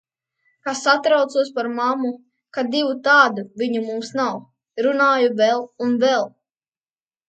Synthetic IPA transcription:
kasat̪ɾawt̪suɔspaɾmamu | kad̪ivut̪aːd̪uviɲumumsnaw | ɾunaːjuvɛlˠunvɛlˠ

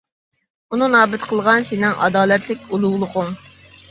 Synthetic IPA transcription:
ununɑːbɪt̪qʰəlˠʁɑnsenɪŋɑ̰d̪ɑːlɛt̪ʰlɪk̚ʲulˠʊwlˠʊqʊŋ

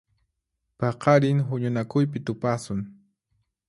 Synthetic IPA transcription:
pɑqɑɾɪŋɦʊɲʊnakʊjpɪt̪ʊpasʊŋ

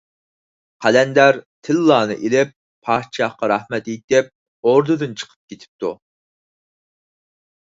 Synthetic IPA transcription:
qʰælɛnd̪æɾt̪ʰɪlːɑːnɨ̰ʔelɪpʰː | ɑt͡ʃʰɑhqɑɾɑhmɛt̪et̪ɪp̚ | oɾd̪ɨd̪ɨnt͡ʃʰə̥qʰə̥p̚kʲet̪ʰɪ̥p̚t̪ʰu

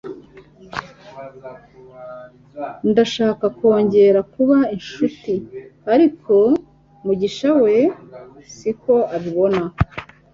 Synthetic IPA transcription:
ndaʃaːkako̞ːɲɟe̞ɾakuβainʃutiaɾikʰo̞ | muɟiʃawe̞siko̞aβiβo̞na

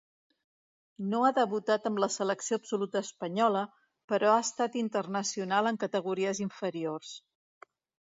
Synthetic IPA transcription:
noaðəβut̪at̪əmləsələksioəpsulut̪əːspəɲɔlə | pəɾɔaəst̪at̪int̪ərnəsiunalˠəŋkət̪əɣ̞uɾiəziɱfəɾiors

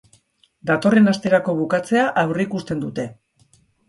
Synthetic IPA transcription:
d̪at̪o̞re̞nast̪e̞ɾako̞β̞ukat͡se̞aʔawreikust̪e̞nd̪ut̪e̞

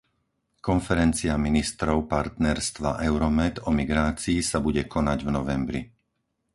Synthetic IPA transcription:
kɔnfɛɾɛnt͡siaminist̪ɾɔʊpaɾt̪nɛɾst̪ʋa̰ʔɛʊɾɔmɛd̪ɔmiɡɾaːt͡siːsabuɟɛkʰɔnaɟvnɔʋɛmbɾḭ

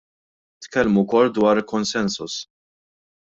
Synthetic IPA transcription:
t̪kɛlmukɔlːd̪wɐːɾlkɔnsɛnsʊs

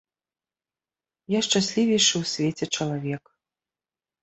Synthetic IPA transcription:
jaʂt͡ʂasʲlʲivʲɛjʂɨwsʲvʲɛt͡sʲɛt͡ʂɐlˠavʲɛk

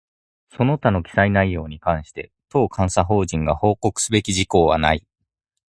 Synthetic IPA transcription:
so̞no̞t̪ano̞kʲi̥sainaijo̞ːɲ̟ikãɰ̃ɕi̥t̪e̞̰ | t̪o̞ːkʰãɰ̃saɦo̞ːʑĩŋɡaho̞ːko̞kɯ̟̥sɨbe̞kʲiʑiko̞ːβa̰na̰i

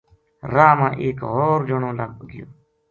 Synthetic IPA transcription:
ɾaːmãːʔeːkɦoːɾd͡ʒoɳõːlaːɡbɡɪjo̰ː

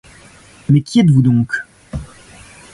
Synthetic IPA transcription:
mɛkʲiɛt̪vud̪ɔ̃k

